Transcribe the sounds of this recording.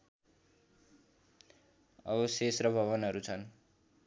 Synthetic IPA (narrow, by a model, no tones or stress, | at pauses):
ʌ̰βʌsesrʌbʱʌβʌnɦʌɾut͡sʰʌn